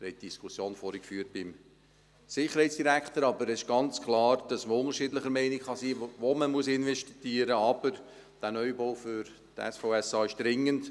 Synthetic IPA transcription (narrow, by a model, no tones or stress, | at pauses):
hɛɪt̚d̥iskʰusjoːnfɔːɾikfyːɾt̚b̥ɪm | sɪχəɾhɛɪt͡ssd̥iɾækt̪əɾɑbəɾɛsɪʃɡ̥ɑnt͡sklɑːɾd̥ɑsməʊŋəɾʃiːdləχəɾmɛɪnɪkχɑsiːʋoməmuəsɪnvɛʃtiɡ̥iːəɾəɑb̥əɾ | d̥æːnœjboʊfʏɾ | tɛ̰sfoʊɛsɑːɪʃd̥ɾɪŋːənd